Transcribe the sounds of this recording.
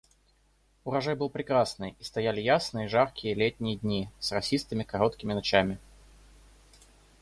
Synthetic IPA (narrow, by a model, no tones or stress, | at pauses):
ʊɾɐʐajbɨlˠpɾʲɪkɾasnɨjist̪ɐjalʲɪjasnɨjəʐarkʲɪjəlʲetʲnʲɪjədʲnʲisrɐsʲist̪ɨmʲɪkɐɾo̞t̪kʲɪmʲɪnɐt͡ɕamʲɪ